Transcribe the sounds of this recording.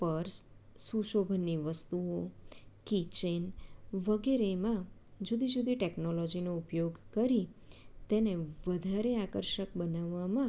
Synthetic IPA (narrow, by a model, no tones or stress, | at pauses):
pəɾssuʃobʱənːiʋəst̪uokit͡ʃenʋəɡeɾemã | d͡ʒud̪ʱid͡ʒud̪ʱiʈeknolɔd͡ʒinoupjoɡkəɾit̪eneʋəd̪ʱaɾeakəɾʃək̚bənaʋːamã